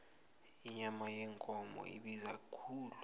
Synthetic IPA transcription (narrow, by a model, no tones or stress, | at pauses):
iɲamajɛŋkʼɔmɔ̰ʔḭɓizakʰuːlu